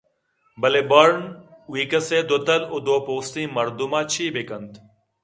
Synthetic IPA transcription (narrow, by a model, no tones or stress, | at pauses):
bɐleːbəɾɳwiːkəseːd̪ot̪əlʊd̪oːpoːst̪ĩːmɐɾd̪umaːt͡ʃʰiːbeːkənt̪